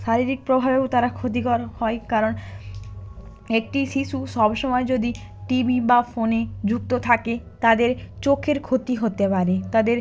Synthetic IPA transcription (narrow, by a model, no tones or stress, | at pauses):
ʃaɾiɾik̚pɾobʱabewt̪aɾakʰot̪̬ikɔɾhɔekaɾon | ek̚ʈiʃiʃuʃɔbʃɔmɔed͡ʑod̪i | ʈibibafoned͡ʑuk̚t̪ot̪ʰake | t̪ad̪eɾt͡ɕokʰeɾkʰot̪iɦot̪epaɾet̪ad̪eɾ